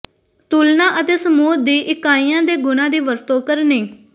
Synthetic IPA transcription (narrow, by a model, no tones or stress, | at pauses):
t̪uːlnaːʔət̪eːsəmuːt̪̚d̪iːʔɪkːaːiːjãːd̪eːɡʊnãːd̪iːʋəɾt̪oːkəɾneː